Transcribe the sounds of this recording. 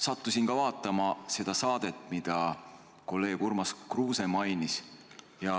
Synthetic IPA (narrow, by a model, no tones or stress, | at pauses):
sɑt̪ˑːusʲinkɑvɑːt̪ːˑɑmɑse̞d̪̥ɑsɑːd̪̥e̞t̪ːˑmid̪̥ɑ | ko̞lːe̞ːɡ̥urmɑskruːse̞mɑjnis | jɑ